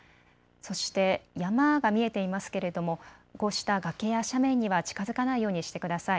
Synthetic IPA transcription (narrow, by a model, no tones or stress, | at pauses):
so̞ɕi̥t̪e̞jamaɡamʲie̞t̪e̞imasɨ̥ke̞ɾe̞d̪o̞mo̞ɡo̞ɕi̥t̪aɡake̞jaɕamẽ̞ɲ̟ːiβat͡ɕi̥kazɨkanaijo̞ːɲ̟iɕi̥t̪e̞kɯ̟d̪asai